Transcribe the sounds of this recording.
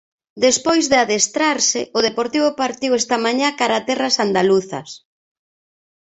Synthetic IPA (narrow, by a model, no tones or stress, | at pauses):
d̪espojzðɪaðest̪ɾaɾsɪʔʊðepoɾt̪iβʊpaɾt̪iwɛst̪amaɲakaɾat̪ɛrasand̪aluθɐ̰s